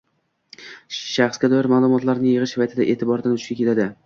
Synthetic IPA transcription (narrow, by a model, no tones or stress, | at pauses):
ʃaχsɡʲad̪ɒjɪɾmaːlˠʊmɒt̪laɾnɪjɨʁɨʃvajt̪ʰɪd̪aʔe̞ːt̪ʰɪbɒɾd̪anʰʊ̥ʃkʲakʲe̞t̪ʰad̪ɪ